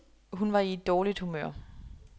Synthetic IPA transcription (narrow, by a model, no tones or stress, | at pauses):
ɦunʋɑ̈ie̝d̥ːɒːlid̥humø̰ɐ̰